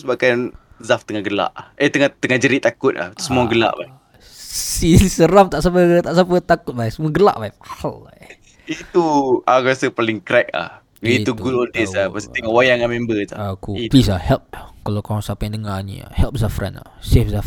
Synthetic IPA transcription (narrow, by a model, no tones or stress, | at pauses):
sbakan | zaft̪əŋaɡəla̰ʔaət̪əŋat̪əŋahd͡ʒəɾit̪akʊt̪̚la̰hit̪usəmuaɡəla̰ʔbai | sisəɾamt̪aʔsapət̪aʔsapət̪akʊt̪̚bajsəmuaɡəla̰ʔbajalaj | it̪uakasəpalɪŋkɾɛk̚la̰h | it̪uɡulɔnt̪ɛsapasə̥eŋɔʔwajaŋamɛmbət̪a̰akuplis̬ahɛlp̚kalokãsapandəŋanḭa̰hɛlp̚zafɾa̰na̰sefzaf